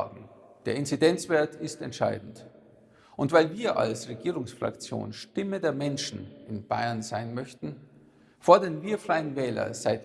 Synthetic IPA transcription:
d̥eːɐɪnt͡sidɛnt͡sv̥eːɐtʰɪstɛ̰ntʃa̰ɪdn̩t | ʔʊntv̥aɪlviːɐʔa̰lsʁeɡiːʁʊŋsfʁ̥a̰kt͡sjo̰ːnʃtɪmədeːɐmɛnʃn̩ɪnb̥aɪɐnzaɪnmœçtn̩ | fɔɐdənviːɐfʁ̥aɪənvɛːlɐ̰zaɪt

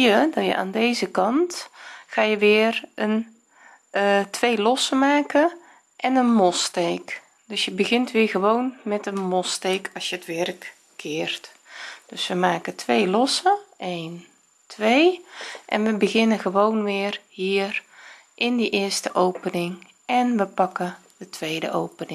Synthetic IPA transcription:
ədɔjə̰ʔa̰ːndejzəkɑntχaːjəʋɪːərən | tʋejlɔsəmaːkə | ʔɛnənmɔstejk | d̥øsjəbəɣɪntʋɪːɹɣəʋownmɛtənmɔstejkʰɑsjəətʋɛrkːʰ | ɪːrt | d̥øsʋəmaːkətʰʋejlɔsəejn | tʰʋejʔɛ̰nʋəbəɣɪnəɣəʋownʋɪərhiːər | ʔɪndiʔɪərstəʔowpənɪŋ | ɛnʋəpɑkə | dətʰʋejdə̰ʔowpənɪ

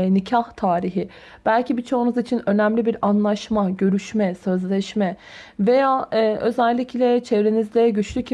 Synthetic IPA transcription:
nicʰaht̪ʰaːɾiɦi | b̥ælʲcibit͡ʃʰo̞unuzit͡ʃʰinø̞næmlʲibiɾanlˠaʃmaɟø̞ɾyʃmɛsø̞zlʲɛʃmɛve̞jaːʔø̞zɛlʲːicʰlʲɛt͡ʃʰevɾenizd̪ɛɟyt͡ʃlʲyc

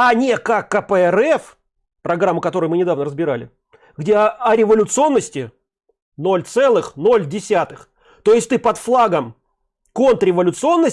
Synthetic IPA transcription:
ɐnʲekakːəpəɛɾɛf | pɾɐɡɾamːʊkɐt̪o̞ɾʊjmɨnʲɪd̪avnəɾəzbʲɪɾa̰lʲɪ̰ | ɡdʲe̞ɐɾʲɪvəlʲʊt̪sɨo̞nːəsʲtʲɪ | no̞lʲt̪sɛlˠɨxno̞lʲdʲɪsʲat̪ɨx | t̪o̞jɪsʲtʲt̪ɨpɐt̪flˠaɡəm | ko̞nt̪ɾʲɪvəlʲʊt̪sɨo̞nːə

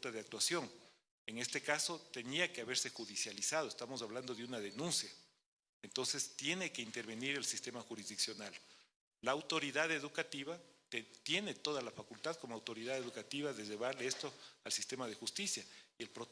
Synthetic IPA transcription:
t̪aðeak̚t̪wasjo̞ŋ | eŋe̞st̪e̞kasot̪e̞niakeaβe̞ɾse̞xuðisjalisað̞oest̪amosaβland̪o̞ðeunaðe̞nũnsja | ent̪o̞nse̞st̪je̞ne̞ke̞int̪eɾβe̞niɾelsist̪e̞maxuɾizðiksjo̞nal | laːwt̪o̞ɾiðaðe̞ðukat̪iβa | t̪je̞ne̞t̪o̞ðalafakult̪aðko̞moawt̪o̞ɾiðaðeðukat̪iβaðe̞ʝe̞βaɾleest̪o̞alsist̪e̞mað̞e̞xust̪isjaielpɾo

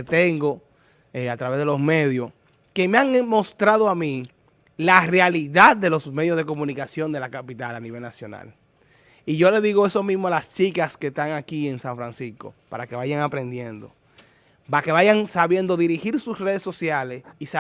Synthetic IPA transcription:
t̪eŋɡo | eat̪ɾaβe̞zðelo̞sme̞ðjo̞s | ke̞meaŋmo̞st̪ɾaðoamĩ | larealiðad̪̚d̪e̞lo̞smeðjozðe̞ko̞mũnikasjo̞nd̪e̞lakapit̪alaniβe̞lnasjo̞na̰l | iʝo̞le̞ðiɣo̞e̞so̞mismoalast͡ʃikaske̞st̪aŋakie̞ŋsaɱfɾansisko̞̰pa̰ɾake̞βajaŋapɾe̞nd̪je̞nd̪o̞̰ | pake̞βaʝaŋsaβje̞nd̪o̞ðiɾihiɾsusre̞ð̞esːo̞sjale̞sisa

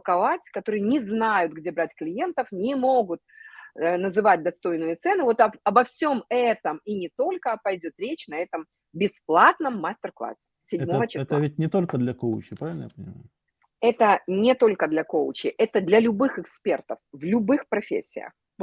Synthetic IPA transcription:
kɐvatʲkɐt̪o̞ɾɨjənʲɪznajʊt̪ɡdʲe̞bɾatʲklʲɪje̞nt̪əfnʲɪmo̞ɡʊt̪̚ | nəzɨvat̚ʲd̪ɐst̪o̞jnɨjət̪sɛnɨvo̞t̪ɐɐbɐfsʲo̞mɛt̪əminʲɪt̪o̞lʲkəpɐjdʲo̞t̪ɾʲet͡ɕnɐɛt̪əm | bʲɪsplˠat̪nəmːasʲtʲɪrklˠa̰sʲɪ̥sʲɪdʲmovət͡ɕɪsˠəvʲɪt̪̚ʲnʲɪt̪olʲkəd̪lʲɐkoʊt͡ɕɪpɾavʲɪlʲnəja̰pənʲɪ̰ma̰ʊ | ɛt̪ənʲɪt̪o̞lʲkəd̪lʲɐkolˠt͡ɕɪʔɛt̪əd̪lʲɐlʲʊbɨxɨkspʲe̞rt̪əfvlʲʊbɨxpɾɐfʲḛsʲːɪ̰jə̰x

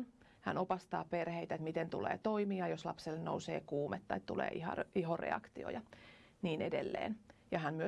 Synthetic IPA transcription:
n | hæ̰nopɑst̪ɑːperheit̪æet̪mit̪ent̪ṵlḛːt̪oimiɑjoslɑpselːennousḛːkuːmet̪ːɑit̪t̪ulḛːiɑ̰iɦorḛɑ̰kt̪io̰jɑ | niːnedelːḛːnjɑænmyø

